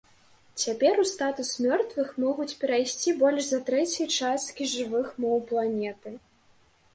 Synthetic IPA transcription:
t͡sʲapʲɛɾust̪at̪usmʲɔrt̪vɨxmɔɣut͡sʲpʲɛɾajsʲt͡sʲibɔlʲʂzɐt̪ɾɛt͡sʲit͡ʂast̪kʲiʐɨvɨxmɔwplˠanʲɛt̪ɨ

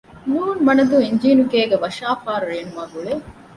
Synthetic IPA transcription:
nuːnmɐnɐd̪uiɲd͡ʒiːnukeːɡeʋɐʃaːfaːɾuɾeːnumaɡuɭe

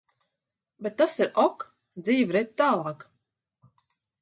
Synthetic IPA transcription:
bet̪ːasiɾɔk | d̪ziːvɾɛt̪̚ʲt̪ːaːlˠaːk

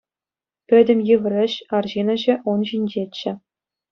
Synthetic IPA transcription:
pʲɘ̆dʲɘ̆mʲjɯɣrʲɘ̆ɕɑrʑinɤ̆ʑɘ̆ʔunʑinʲd͡ʑet͡ɕːɘ̆

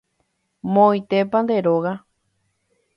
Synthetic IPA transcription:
mõijt̪e̞pãnd̪e̞ɾoɣa

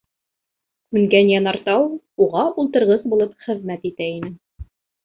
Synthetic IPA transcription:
kʉŋɡænjɑnɑɾt̪ɑw | uʁɑʔulˠt̪ɤ̆ɾʁɤzbulˠɤpχɘ̆ðmæt̪it̪æinɘ

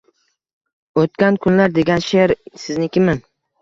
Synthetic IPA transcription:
ot̪̚kʲankʰʊnlaɾd̪eɡʲanʃeɾsɪznɪkʲɪmɪn

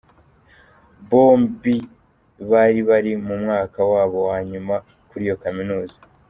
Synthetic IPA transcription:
βo̞ːmbi | βaɾiβaɾimumŋaːkawaːβo̞waɲuma | kuɾijo̞kaminuːzḁ

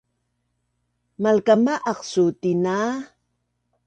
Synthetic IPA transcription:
malkamaʔɑqsut̪ina

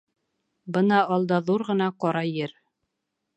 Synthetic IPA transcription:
bɤnɑːlˠd̪ɑðuɾʁɤ̆nɑqɒɾɑjɘɾ

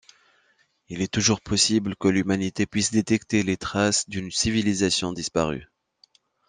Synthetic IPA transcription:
ilɛt̪uʒuʁpʰɔsibləkəlymanit̪epɥisd̪et̪ɛkt̪elet̪χasd̪ynsivilizasjɔ̃d̪ispaʁy̰

